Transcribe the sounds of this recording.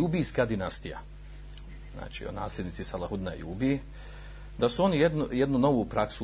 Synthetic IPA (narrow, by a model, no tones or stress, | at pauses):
ubijskad̪inast̪ija̰ | zna̰ːt͡ʃḭo̰na̰ːslʲe̞d̪nit̪sisalˠahud̪na̰jṵːbi | d̪asuo̞nijed̪nujed̪nuno̞ʋupɾaksu